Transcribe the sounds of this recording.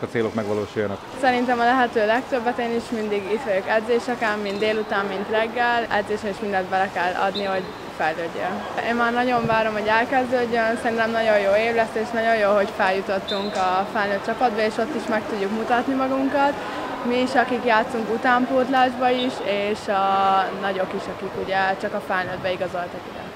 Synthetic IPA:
kɒt̪seːlokmɛɡʋɒlo̰ːʃujːɒnɒ̰ksɛɾint̪ɛmɒlɛɦɛt̪øːlɛk̚t̪øbːɛt̪eːniʃmind̪iɡit̪ʋɒjokɛd̪zeːʃɛkɛmːint̪d̪eːlut̪aːmːint̪rɛɡːɛlɛ̰d̪zeːʃɛniʃmind̪ɛnd̪̚bɛlɛkɛlːɒ̰d̪niɦo̞ɟ | fɛjløːɟːɛ̰nḛːmmaːrnɒɟo̞ɱvaːɾomɦoɟɛlkɛzd̪øːɟːønsɛɾint̪ɛmnɒɟo̞joːeːvlɛst̪eːʃnɒɟo̞joːɦo̞cfɛljut̪o̞t̪ːuŋkɒfɛlnøːt̪̚t͡ʃɒpɒd̪bɒeːʃo̞t̪ːiʃmɛkt̪uɟːukmut̪ɒt̪nimɒɡuŋkɒt̪ | miːʃɒkikjaːt̪suŋkut̪aːmpoːt̪laːʒbɒiʃeːʃɒnɒɟo̞kiʃɒkikuɟɛt͡ʃɒkɒfɛlnøːd̪bɛiɡɒzo̞lt̪ɒkuɟɛ̰

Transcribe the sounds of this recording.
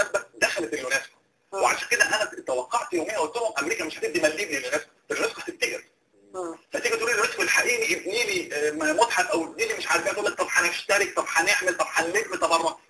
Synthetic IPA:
æbæd̪æxælæt̪elːʊnæːsk | weʕa̰ʃæːnked̪æʔenʔænæt̪æwæqːɑʕt̪joːmejːæwolt̪ːolhomʔæmɾiːkæmeʃħæt̪ebd̪imælːiːbnilːonæːfk | elnæsqhæt̪eb̚t̪eɡeɾ | hæʔt̪eɡæt̪ʔulilnæt̪qelħaʔiːʔniʔebniːlimot̪ˤħɑfʔæweb̪niːlimeʃʕaɾfiːhæfolæt̪ˤɑbħanʃt̪æɾek̚t̪ˤɑbħaneʕmelt̪ˤɑfħalːebmit̪ˤɑbɑrˤːɑ

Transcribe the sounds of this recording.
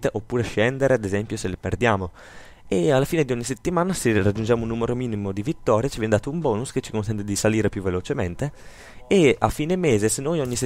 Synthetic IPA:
t̪eʔopːuːɾeʃɛnd̪eɾead̪ezɛmpjoseleperd̪jaːmo | ealːafiːned̪iɔɲːiset̪ːimaːnaserad͡ʒːund͡ʒaːmounːuːmeɾomiːnimod̪ivit̪ːɔːɾjat͡ʃivjɛned̪aːt̪oumbɔːnusket͡ʃːikonsɛnt̪ed̪isaliːɾepjuvːelot͡ʃement̪e | ea̰fiːnemeːzesenːojɔɲːis

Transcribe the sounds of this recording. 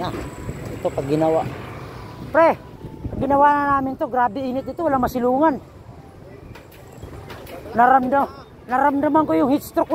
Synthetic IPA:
ait̪opaɡinawa | pɾɛɡinawananamɪnt̪oɡɾabiːnit̪̚it̪uwalamasiluŋan | naɾamda | naɾamdamaŋkojuŋhist̪ɾɔk

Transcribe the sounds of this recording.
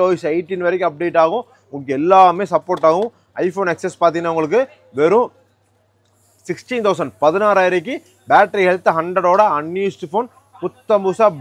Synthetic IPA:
oːʋisɐɪʈːinʋɐɾɛkːɯ̃ɐp̚ːɽeːʈːaːɣʊ̃ | ʊŋɡkːɛlːaːmeːsɐpːoːɾʈːaːɣʊ̃ | ɐɪfoːnɐksɛspaːɾt̪iŋnːaʊŋɡɐɭɯk̬ːɯ | ʋɛɾʊ̃ | sɪksʈint̪ɐʊs̬ɐɳɖpɐðɯnaːɾaːjɪɾɐk̬ːɯ | baːʈɐɾiɦɛɭt̪ːɐɦɐɳɖɾɐɽoːɽɐɐnjuːsʈɯfoːn | kʊt̪ːɐmbuːsaː

